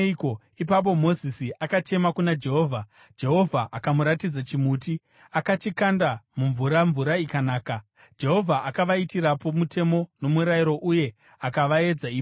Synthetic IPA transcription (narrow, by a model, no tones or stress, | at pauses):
iko | ip̬ap̬o̞mo̞zisiʔakat͡ʃe̞makunad͡ʒe̞ɦo̞ːvʱa | d͡ʒe̞ɦo̞vʱaʔakamuɾatid͡zat͡ʃimuːti | akat͡ʃikandamuɱvuɾaɱvuɾaikanaːka | d͡ʒe̞ɦo̞vʱaʔakaʋaitiɾapo̞mutʰe̞mo̞no̞muɾajiɾo̞ʔuje̞ | akaʋae̞d͡zaiː